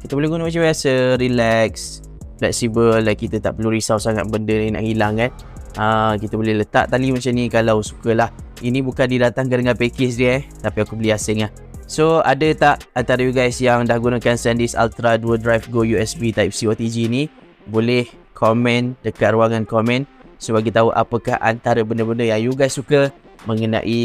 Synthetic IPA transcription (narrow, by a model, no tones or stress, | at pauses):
kit̪əbolɪhɡunəmat͡ʃamajasəɾilɛks | plɛksibəlːajkit̪ət̪a̰ʔpəluɾisawsaŋat̪bəndənina̰ʔhilaŋkan | əkit̪əbolɪhlət̪a̰ʔt̪alimat͡ʃamnĩkalawsu̥kəlah | inĩbukandidat̪aŋkədəŋalpekɪs̬diat̪apiakubəliasɪŋlah | soa̰dət̪aʔant̪aɾəjuɡajsjaŋdahɡunakansɛndɪsa̰lt̪ɾaduədɾajfɡojuɛsbit̪ajp̚siot̪id͡ʒini | bolɛh | kʰɔmɛ̃ndəkat̪̚ruaŋankɔmɛ̃nsobaɡit̪aɦuʔa̰pəkahʔa̰nt̪aɾəbəndəbəndəjaŋjuɡajsːukə | məŋənã̰ʔi